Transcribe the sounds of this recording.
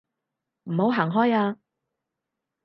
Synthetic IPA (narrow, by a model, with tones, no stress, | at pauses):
m̩˨˩ho˨˧˥wɦaː˨˩ŋɦɔː˥jaː˧